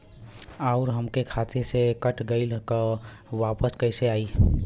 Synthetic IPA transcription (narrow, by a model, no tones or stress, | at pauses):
aʊɾɦəmkekʰaːt̪ʰesekəʈʰɡəɪlka | ʋaːpəskəɪseaːi